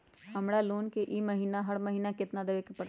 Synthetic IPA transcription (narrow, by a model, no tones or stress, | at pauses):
hɐmɽaluːnkeʔiːmɐɦiːnaɦəɽmɐɦiːnakɪt̪nad̪eʋekepɐɾ